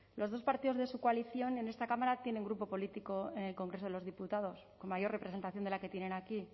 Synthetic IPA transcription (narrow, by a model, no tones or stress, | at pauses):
lo̞zð̞o̞spaɾt̪iðo̞zðesukwaliθjo̞ne̞ne̞st̪akamaɾat̪je̞ne̞ŋɡɾupo̞po̞lit̪iko̞e̞ne̞lko̞ŋɡɾeso̞ðe̞lo̞zðiput̪að̞o̞sko̞nmajo̞repɾese̞nt̪aθjone̞lake̞t̪je̞ne̞naki